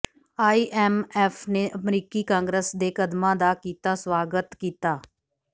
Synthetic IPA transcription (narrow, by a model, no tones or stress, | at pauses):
aːiːʔɛːmɛːpʰneːʔəmɾiːkiːkãːŋɡɾəsd̪eːkəd̪mãːd̪aːkiːt̪aːswaːɡət̪kiːt̪aː